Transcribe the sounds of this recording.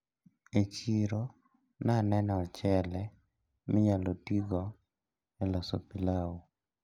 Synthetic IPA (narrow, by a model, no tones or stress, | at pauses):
et͡ʃiɾo | nanɛnɛɔt͡ʃɛlɛ | mɪɲalotiɡɔ | ɛlɔso̰pilawu